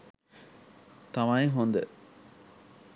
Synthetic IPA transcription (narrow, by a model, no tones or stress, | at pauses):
t̪ɐmaiɦond̪ə